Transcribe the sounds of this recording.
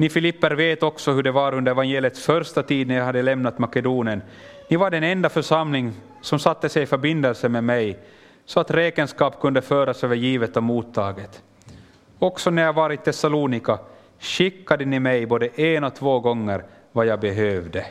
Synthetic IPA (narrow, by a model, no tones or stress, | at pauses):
nɪfɪlɪpːəɾveːt̪ɔksɔhʉɖɛvaɾɵnd̪əɾɛvanjeːlɪjət̪sfœɾʂt̪at̪ʰiːd̪̚næɾjahad̪ːəlɛmnat̪makɛd̪uːnɪən | nɪvaɖɛnɛnd̪afœʂamlɪŋ | sɔmsat̪ːəsɛjɪfœɾbɪnd̪ɛlsəmɛmɛj | sɔat̪ɾeːkənskɑːpkʰɵnd̪əføːɾasøːvəɾjiːvət̪ɔmuːt̪ʰːɑːɡət̪ | ɔksɔnæɾjavɑːɾɪt̪ʰɛsaluːnɪka | ɕɪkːad̪ənɪmɛjboːd̪əʔenɔt̪ʰvoːɡɔŋːəɾ | vajɑːɡ̚bɛɦøːvd̪ə